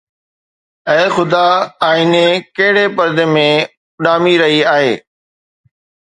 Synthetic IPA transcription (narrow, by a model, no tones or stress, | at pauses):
ɛ̃ːxʊd̪aaːɪnekɐɦɪɽepɐɾd̪emẽ | ɗaːmiɾɐɦiaːɦeː